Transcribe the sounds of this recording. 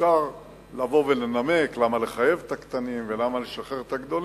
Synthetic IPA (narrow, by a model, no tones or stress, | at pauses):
aʁ | lavo̞velename̞klamale̞χaje̞vt̪akt̪animvelamaleʃaχeʁt̪aɡd̪o̞li